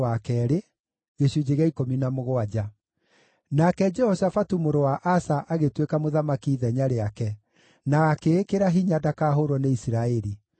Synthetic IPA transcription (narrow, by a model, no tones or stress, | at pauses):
akɛɾe | ɣeɕud͡ʒeɣeaikominamoɣoad͡ʑa | nakɛd͡ʒɛhɔsafatumoɾowaʔasaʔaɣetwekamoðamakiːðɛɲaɾeakɛ | nakekeɾaɦiɲadakaːɦoɾwɔneisiɾaɛɾi